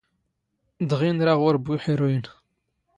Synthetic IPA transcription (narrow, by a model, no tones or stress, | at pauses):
d̪ʁinɾaʁʊɾbuħiɾujən